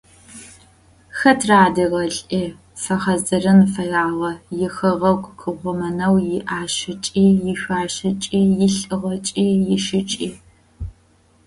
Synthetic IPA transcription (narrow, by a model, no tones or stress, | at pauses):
xɐtʰraːdɨʁɐɬʼʔiː | fɐχɐzɨrɨnfɐjaːʁɐjɪxɐʁɐɡʷkʰɨʁʷʊmɐnɐwjɪʔaːʃɪt͡ʃʼiːjɪɕʷaːɕɪt͡ʃʼiːjɪɬʼɨʁɐt͡ʃʼiːjɪʃɪt͡ʃʼiː